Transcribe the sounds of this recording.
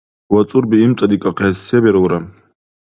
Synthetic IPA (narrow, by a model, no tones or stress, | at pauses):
wat͡sʼurbiimt͡sʷʼad̪ikʼaqʰesebeɾwɾa